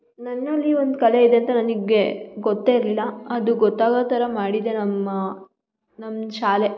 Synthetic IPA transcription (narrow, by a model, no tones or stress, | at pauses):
nɐnːɐlːiʋond̪ukɐle̞id̪e̞ɐnt̪ɐnɐniɡeɡɔt̪ːeːiɾlilːɐɐd̪uɡɔt̪ːaːɡɐt̪ɐɾɐmaːɽid̪enɐmːɐ | nɐmːʃaːle